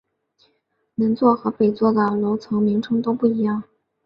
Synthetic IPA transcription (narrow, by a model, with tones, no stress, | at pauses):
ni˧˥nt͡swɔ˥˩xɤ˧˥pe˨˩ɪt͡swɔ˥˩d̪ə˩lo˧˥ʊt͡sʰɤ˧˥ŋmi˧˥ŋʈ͡ʂʰɤ˥ŋt̪o˥ʊpu˥˩i˧˥jɑ˥˩ŋ